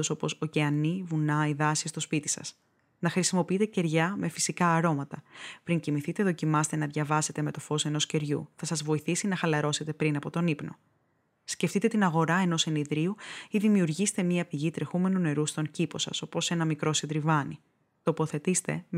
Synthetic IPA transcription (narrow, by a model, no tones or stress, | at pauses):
osopo̞so̞ceɐnivunɐiðɐsist̪o̞spit̪i̥sɐ̰s | nɐxɾisimo̞piit̪ece̞ɾʝɐme̞fi̥sikɐːɾo̞mɐt̪ɐpɾiɲcimiθit̪e̞ðo̞cimɐst̪enɐðʝɐvɐse̞t̪e̞me̞t̪o̞fo̞se̞no̞sce̞ɾʝṵθɐsɐzvo̞iθisinɐxɐlɐɾo̞se̞t̪e̞pɾinɐpo̞t̪o̞nipno̞̰ | sce̞ft̪it̪e̞t̪inɐɣo̞ɾɐe̞no̞seniðɾiuiðimiuɾʝist̪e̞mɲiɐpiʝit̪ɾe̞xume̞nune̞ɾust̪o̞ncipo̞sɐ̰so̞po̞se̞nɐmikɾo̞sid̪ɾivɐni | t̪opo̞θe̞t̪ist̪e̞